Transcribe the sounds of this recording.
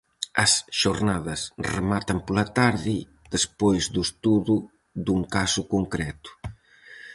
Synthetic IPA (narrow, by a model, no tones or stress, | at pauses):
ɐsʃoɾnaðɐsremat̪ɐmpɔlat̪aɾði | d̪espojzd̪ust̪uðu | d̪uŋkasukuŋkɾɛt̪u̥